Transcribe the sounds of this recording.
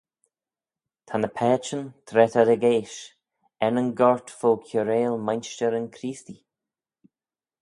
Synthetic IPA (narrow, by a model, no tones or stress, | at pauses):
t̪ʰanəpʰɛːt͡ʃənt̪ʰɾɛt̪ad̪əɡeːʃ | ɛnənɡɔɹt̪foːkʰjuɾeːlmajnʃt͡ʃəɾənkʰɾiːst̪i